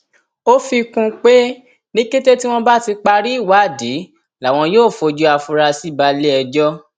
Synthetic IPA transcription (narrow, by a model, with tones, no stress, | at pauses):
o˦fi˧kũ˧k͡pe˦ | nĩ˦ke˦te˦ti˦w̃ɔ̃˦ba˦˨ti˧k͡pa˧ɾi˦i˦˨wa˨˦˨di˨˦ | la˨w̃ɔ̃˧joː˦˨fo˧d͡ʒu˧˦a˧fu˧ɾa˧si˨˦ba˧le˦ɛ˧d͡ʒɔ˦